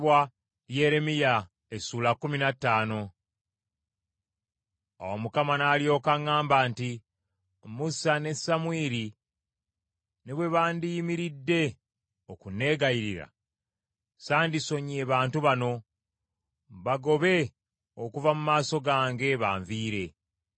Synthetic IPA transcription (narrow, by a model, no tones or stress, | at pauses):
βwa | lje̞ːɾe̞mija | esuːlakːuminatːaːno̞ | a̰womukamanaːljo̞ːkaŋːaːmbaːnti | musane̞sːamwiːɾi | neβwe̞βaːndijimiɾidːe̞ | okune̞ːɡajiɾiɾa̰ | saːndiso̞ɲe̞ːβaːntuβano̞ | βaɡo̞βe̞ | okuvamumaːso̞ɡaːŋɡe̞βa̰ːɱviːɾe̞